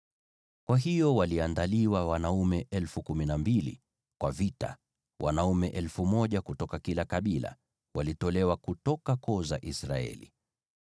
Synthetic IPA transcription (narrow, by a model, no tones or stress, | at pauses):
kwaɦijɔwaliandaliwawanaumɛʔɛlfukuminambilḭ | kwavita̰ | wʔa̰naumɛʔɛlfumɔʄakutɔkakilakaɓila̰ | wʔalitɔlɛwakutɔkakɔza̰ʔisɾa̰ɛ̰lḭ